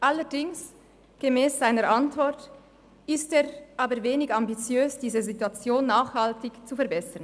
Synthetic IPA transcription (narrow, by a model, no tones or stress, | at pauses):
ʔalədɪŋs | ɡ̥emɛːsz̥aɪnəɾʔantv̥ɔʁt | ɪsteːʁʔaːbəɾveːnɪɡambit͡sjøːsd̥iːzəzituat͡sjoːnːaːχhaltɪçt͡sufɛɐbɛsən